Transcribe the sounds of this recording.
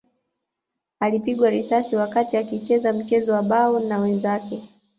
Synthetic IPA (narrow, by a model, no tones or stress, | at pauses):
alipiɠwaɾisasiwakatiakit͡ʃɛzam̩t͡ʃɛzɔwaɓaɔnawɛnzakɛ